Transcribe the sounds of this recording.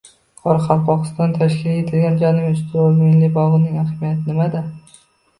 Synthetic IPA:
qʰɒɾɑqʰɑlqʰɒqɨ̥st̪ɒnt̪ʰaʃkʲɪlʲet̪ʰɪlɡʲand͡ʒɒnɪmʊst̪ʰɪomenlɪbɒʁɨnɪŋahmijat̪ʰnɪmad̪ɪ

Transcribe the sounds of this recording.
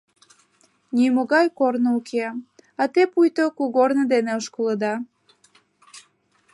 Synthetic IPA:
nimoɣɑjkornoukʰeɑt̪epujt̪okuɣornəd̪eneoʃkoləd̪ɑ

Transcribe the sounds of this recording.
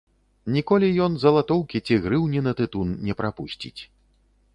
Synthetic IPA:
nʲikɔlʲijɔnzɐlˠat̪ɔwkʲit͡sʲiɣɾɨwnʲinɐt̪ɨt̪unnʲɛpɾapusʲt͡sʲḭt͡sʲ

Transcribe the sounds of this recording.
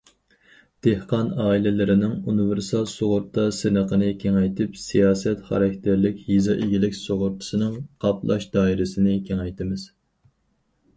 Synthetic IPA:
d̪̥ehqɑnɑːilɪlɪɾɪnɪŋunɨvɪɾsɑlˠsoʁʊɾt̪ʰːɑsɨnəqənɨkʲʰeŋɛjt̪ʰɪpsijɑːsɛt̪χɑ̰ɾɑk̚ʲt̪ʰɪɾlɪkʲhizɑʔeɡʲilɪkʲsoʁʊɾt̪ʰɨ̥sɨnɨŋqʰɑplˠɑ̰ʃd̪ɑːiɾɪsɪnɪkʲʰeŋɛjt̪ɪmɪz̥

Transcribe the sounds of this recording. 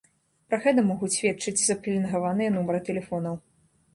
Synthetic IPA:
pɾɐɣɛt̪̬ɐmɔɣusʲvʲɛt̪t͡ʂɨd͡zʲzɐplʲinɣavanɨjɛnumɐɾɨt̪ɛlʲɛfɔnɐw

